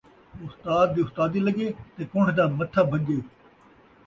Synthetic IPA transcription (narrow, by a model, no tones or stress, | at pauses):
ʊst̪aːd̪̚ːiːʊst̪aːd̪iːlɐɡeːt̪eːkʊ̃ɳʈd̪aːmɐt̪ʰːaːbʱɐɠeː